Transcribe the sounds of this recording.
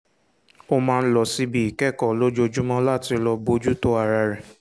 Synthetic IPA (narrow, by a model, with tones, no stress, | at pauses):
o˧mãː˧n̩˦lɔ˧˨si˦bi˦i˨kɛ˦˨kɔ˨lo˦d͡ʒo˧d͡ʒu˦mɔ̃˦la˦˨ti˧lɔ˧bo˧˦d͡ʒu˦to˦a˦˨ɾa˧ɾɛ˨